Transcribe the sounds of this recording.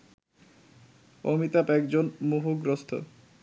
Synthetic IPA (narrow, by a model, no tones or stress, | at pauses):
o̰mit̪apɛkd͡ʑonmuɦuɡɾost̪ʰo̰